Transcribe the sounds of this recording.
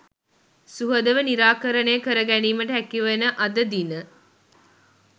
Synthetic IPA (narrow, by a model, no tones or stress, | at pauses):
suɦəd̪əʋəniɾaːkəɾəneːkəɾəɡæniːməʈəɦækiʋenəʔɐd̪əd̪inə